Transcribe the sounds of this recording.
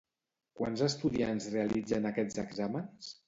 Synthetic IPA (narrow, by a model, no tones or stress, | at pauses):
kwanzəst̪uðiansrealid͡zənakɛzəɡzaməns